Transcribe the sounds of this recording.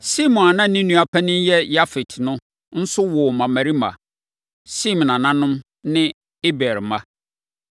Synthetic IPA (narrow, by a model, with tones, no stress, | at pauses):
si˦mɔ̃˨na˨nã˦nĩ˦nũ˦a˨pʰæ˦nɪ̃˦jɛ˦ja˦fi˨tnʊ̃˦ | n̩˦sʊ˦wɔ˨mã˨mæ̃˨ɾi˦mã̰˨ | si˦m̃˨nã˨nã˦nʊ̃˦m | nɪ̃˦ | e˦bɛ˨ɾmã˦